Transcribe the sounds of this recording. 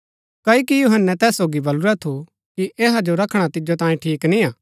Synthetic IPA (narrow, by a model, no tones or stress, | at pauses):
kɐːikijʊɦənːɛt̪ɛːsːoːɡibɐlʊɾɛt̪ʰo | kiʔeːɦad͡ʒoɾɐkʰɽ̃at̪ɪd͡ʒot̪ãːĩʈʰiːknĩaː